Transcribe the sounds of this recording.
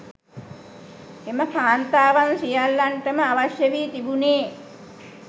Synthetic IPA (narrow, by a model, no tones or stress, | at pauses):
eməpʰaːnt̪aːʋansijalːaɳʈəməaʋasjəʋiːt̪ibuneː